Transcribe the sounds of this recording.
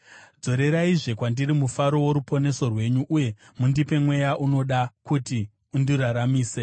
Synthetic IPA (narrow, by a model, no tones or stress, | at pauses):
d͡zo̞ɾe̞ɾaiʐe̞kwandirimufaɾo̞woɾupo̞ne̞so̞rwe̞ɲuʔuje̞ | mundipe̞mwe̞jaʔuno̞ɗakuti | undiɾaɾamiːse̞